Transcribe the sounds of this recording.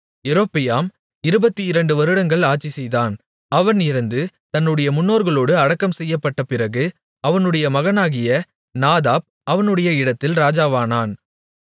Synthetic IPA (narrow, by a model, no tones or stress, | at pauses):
ɪɾoːpːɪjaːm | ɪɾɯbɐt̪ːiɪɾɐɳɖɯʋɐɾɯɽɐŋɡɐɭaːt͡ʃːisɛjðaːn | ɐʋɐnɪɾɯnd̪ɯ | t̪ɐnːɯɽɐjɐmʊnːoːɾɣɐɭoːɽɯɐɽɐkːɐmsɛjːɐpːɐʈːɐpɪɾɐɣɯ | ɐʋɐnɯɽɐjɐmɐɣɐnaːɣɪjɐ | naːðaːp̚ʔɐʋɐnɯɽɐjɐɪɽɐt̪ːɪlɾaːd͡ʒaːʋaːnaːn